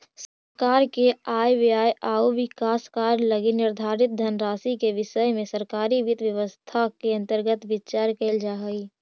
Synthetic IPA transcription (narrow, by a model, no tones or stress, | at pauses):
səɾɾkaːɾkeaːjʋiaːjʔaːuʋɪkaːskaːɾləɡinɪɾd̪ʱaːɾɪt̪̚d̪ʱənɾaːsikeʋɪʃəjmẽsəɾkaːɾiʋɪt̪ʋjəʋəst̪ʰakeɐ̃nt̪əɾɡət̪ʋɪt͡ʃaːɾkeld͡ʒaɦəiː